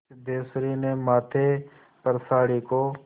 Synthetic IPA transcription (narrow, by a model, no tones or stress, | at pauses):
d̪eːsɾiːneːmaːt̪ʰeː | pəɾsaːɽiːkoː